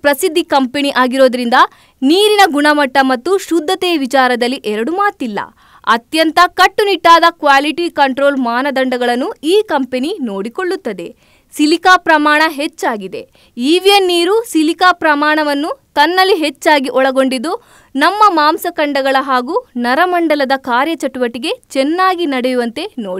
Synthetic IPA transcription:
pɾɐsid̪ʱːikɐmpeniʔaːɡiɾo̞ːd̪ɐɾind̪ɐ | niːɾinɐɡuɳɐmɐʈːɐmɐt̪ːuʃud̪ʱːɐt̪ɛːʋit͡ʃaːɾɐd̪ɐlːiʔɛɾɐɽumaːt̪ilːɐ̰ | ɐt̪jɐnt̪ɐkɐʈːuniʈːaːd̪ɐkʋaːliʈikɐɳʈɾo̞ːlmaːnɐd̪ɐɳɖɐɡɐɭɐnːuiːkɐmpenino̞ːɽiko̞ɭːut̪ːɐd̪e̞̰ | silikaːpɾɐmaːɳɐɦet͡ʃːaːɡid̪e̞̰ | iːʋijɐnːiːɾusilikaːpɾɐmaːɳɐʋɐnːut̪ɐnːɐlːiɦet͡ʃːaːɡiʔɔɭɐɡo̞ɳɖid̪u | nɐmːɐmaːmsɐkɐɳɖɐɡɐɭɐɦaːɡuːnɐɾɐmɐɳɖɐlɐd̪ɐkaːɾjɐt͡ʃɐʈuʋɐʈiɡe̞t͡ʃɛnːaːɡinɐɽejuʋɐnt̪e̞noːi

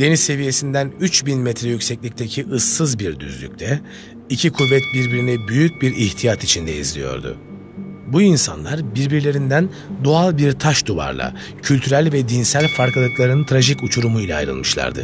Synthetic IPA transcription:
d̪̥e̞nisːe̞vije̞sind̪ænyt͡ʃbinmɛt̪ʰɾɛjycʲsɛclʲict̪ʰecʰiʔɯsːɯzbiɾd̪y̰zlʲy̰c̚t̪ʰɛ | icʰikʰuvːɛt̪̚biɾbiɾinɛbyjyc̚biɾiht̪ʰijat̪ʰit͡ʃʰind̪ɛḭzlʲijo̞̰ɾd̪ʊ̰ | buinsa̰nlˠaɾbiɾbiɾlʲe̞ɾind̪æn | d̪oalˠbiɾt̪ʰaʃd̪uva̰ɾlˠa̰ | cʰylʲt̪ʰyɾælʲvɛd̪insælʲfaɾkalˠɯklˠaɾɯnt̪ʰɾaʒicut͡ʃʰuɾumujlʲa̰ːjɾɯ̰lˠmɯʃlˠa̰ɾd̪ɯ̰

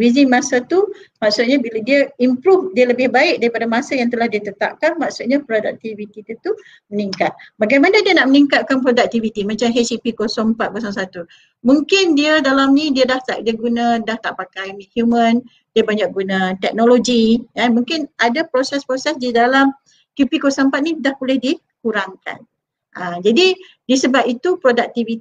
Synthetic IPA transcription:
wizɪŋmãsat̪umaksʊt̪̚ɲabiladiəimpɾufdiələbɪhbaɪk̚daɾipadamãsajaŋt̪əlahdiat̪ət̪a̰p̚kanmaksut̪̚ɲapɾodak̚t̪ivit̪it̪ut̪u | məniŋkat̪̚baɡajmanadiənaʔməniŋkat̪̚kanpɾodak̚t̪ivit̪imãt͡ʃamɦesipikosɔŋpat̪̚bəsams̬at̪u | mũŋkɪndiədalamnĩdiədaht̪aʔ̚diəɡunə̃daht̪aʔpakajmihjumə̃n | diəbaɲak̚ɡunət̪ɛk̚noloɡikamũŋkɪnadapɾosɛspɾosɛsdidalam | kjupikosampat̪̚nidahbolɛhdi | kuɾaŋka̰n | ʔəd͡ʒadi | diəsəbapit̪upɾodak̚t̪ivi

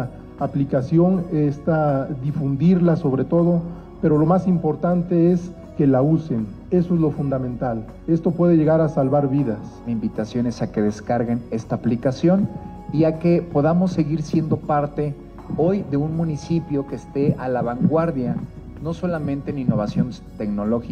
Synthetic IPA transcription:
aplikasjo̞ŋest̪ad̪ifund̪iɾlaso̞βɾe̞t̪o̞ðo̞ | pe̞ɾo̞lo̞masimpo̞ɾt̪ant̪e̞es | ke̞lause̞n | e̞soezlo̞fund̪amẽnt̪al | e̞st̪o̞pwe̞ð̞eʝe̞ɣaɾasalβaɾβiðas | imbit̪asjo̞ne̞sake̞ðeskaɾɣene̞st̪aːplikasjo̞n | iake̞po̞ðamo̞sːe̞ɣiɾsje̞nd̪o̞paɾt̪e̞ | o̞jðe̞unmũnisipjo̞ke̞st̪e̞ʔalaβaŋɡwaɾðja | no̞so̞lamẽnt̪eːninːo̞βasjo̞n | t̪e̞kno̞lo̞xi

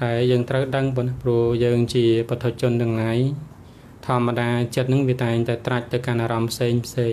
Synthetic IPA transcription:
ɗaɛljəːŋt̪rəwɗəŋpɔənprŭəhjəːŋt͡ɕiəpət̪ʰoc̚t͡ɕʊ̆ənɗ̪ɨəŋlaj | t̪ʰɔ̆əmːaɗaːt͡ɕiət̪̚nɨŋʋiət̪aɛŋt̪aɛt̪rac̚t̪ɨwkanʔaːɾɑmpʰseːŋpʰseː

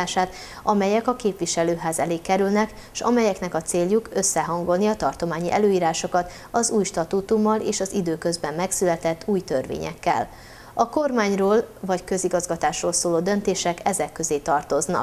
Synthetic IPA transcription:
aːʃaːt̪ | ɒmɛjɛkɒkeːpʋiʃɛløːɦaːzɛleːkːɛɾylnɛk | ʃɒ̰mɛjɛknɛkɒt̪seːlːukø̞sːɛɦɒŋɡo̞lniɒt̪ɒrt̪o̞maːɲiʔɛ̰løːiːɾaːʃo̞kɒt̪ | ɒzuːjʃt̪ɒt̪uːt̪umːɒleːʃɒzid̪øːkø̞zbɛmːɛksylɛt̪ɛt̪ːuːjt̪ørʋḛːɲɛ̰kːɛ̰l | ɒko̞rmaːɲroːlvɒckø̞ziɡɒzɡɒt̪aːʃroːlsoːloːd̪ø̞nt̪eːʃɛkɛzɛkːø̞zeːt̪ɒrt̪o̞znɒ̰k

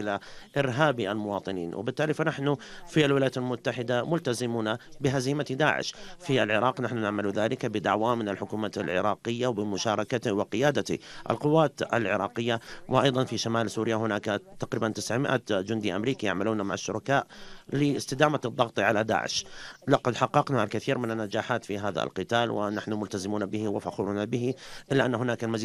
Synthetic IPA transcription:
ʔɪlaʔɪɾɦaːbiʔalmʊwɑːt̪ˤɨnḭːnwɪ̰bɪt̪ːaːlifanaħnʊfialwɪlajat̪almʊt̪ːaħɪd̪amʊlt̪azɪmuːnabɪɦaziːmat̪id̪a̰ːʕɪ̰ʃfiʔalʕɪɾˤɑːqnaħnʊnɪʕmɪluðaːlɪkabɪd̪aʕwamɪnɪlħʊkuːmat̪a̰lʕɪ̰ɾˤɑːqɪjːawbɪmʊʃɑːɾˤɑkat̪ɪwɪqɪjaːd̪at̪ḭʔa̰lqʊwːaːt̪a̰lʕɪ̰ɾˤɑːqɪjːawɪʔɑjðˤɑnfiʃamaːlsuːɾɪjaɦʊnaːkat̪ɑqɾiːbant̪ɪsʕmɪʔad͡ʒʊnd̪iʔamɾiːkijaʕmaluːnamaʕaʃːʊɾˤɑkaːʔlɪɪst̪ɪd̪aːmad̪ˤːɑɣt̪ˤiʕalad̪a̰ːʕɪ̰ʃlaqɑd̪ħɑqːɑqnalkɪθiːɾmɪnɪnːad͡ʒaːħaːt̪fiɦaːða̰lqɨt̪aːlwɪ̰naħnʊmʊlt̪azɪmuːnabɪhɪwɪfaxuɾnabɪhɪʔɪlːaʔanːaɦʊnaːkalmaziː

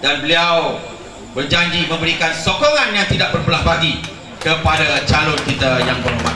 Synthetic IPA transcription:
danbəliaw | bərd͡ʒaɲd͡ʒimə̃mbəɾikansokoŋãnjaŋt̪idaʔ̚bərpəlahbaɡi | kəpadat͡ʃalʊnkit̪ajaŋbəruma̰

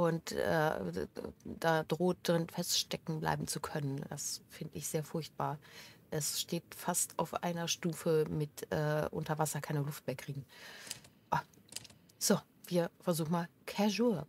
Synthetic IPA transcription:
ʔʊntʔɛ̰ː | d̥aːdʁoːt̚d̥ʁɪnfɛstʃtɛkŋ̩bla̰ɪbm̩t͡sukʰœnənd̥asfɪndəɪçz̥eːɐfʊɐçt̚b̥aːɐʔɛsʃteːtfasta̰ʊfʔa̰ɪnɐʃtuːfəmɪtʔɛːʔʊntɐvasɐkʰaɪnəlʊft̚meːɐkʁ̥iːɡŋ̩ | ʔa | z̥o | v̥iːɐfɛɐzuːxn̩maːlkʰɛɐʒuːɐ

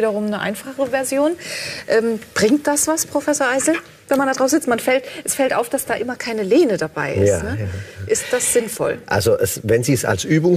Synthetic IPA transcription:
iːɾɐʁ̞ʊmnəʔa̰ɪnfaχəvɛɐzjoːnʔɛːmb̥ʁɪŋt̚d̥asv̥aspʁ̥ofɛsoːɐʔaɪzl̩ | vɛnmandadʁaʊs̩nzɪt͡stmanfɛltʔɛsfɛltʔaʊfd̥asd̥aːʔɪmɐkʰaɪnəleːnədabaɪʔɪsatːnəʔɪst̚d̥asz̥ɪnfɔ̰lʔa̰lzoʔɛsvɛnziːsa̰lsʔyːbʊŋ

